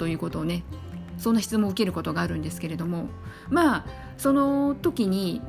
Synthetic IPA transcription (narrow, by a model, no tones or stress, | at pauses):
o̞jɯ̟ːko̞t̪o̞ːne̞ | sõ̞nːaçi̥t͡sɨmoɯ̟ke̞ɾɯ̟ko̞t̪o̞ɡaːɾɯ̟̃nd̪e̞sɨ̥ke̞ɾe̞d̪o̞mo̞ | maː | so̞no̞t̪o̞kʲiɲ̟i